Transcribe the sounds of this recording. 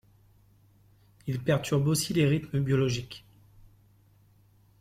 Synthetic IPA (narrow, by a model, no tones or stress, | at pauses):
ilpɛʁt̪ʰyʁbosileʁit̪məbjɔlɔʒik